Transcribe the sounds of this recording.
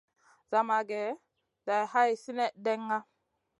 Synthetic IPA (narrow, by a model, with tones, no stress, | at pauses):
za˨ma˨ɡɛ˨ | da˨jha˦jsi˦ne˦de˦ŋːa˦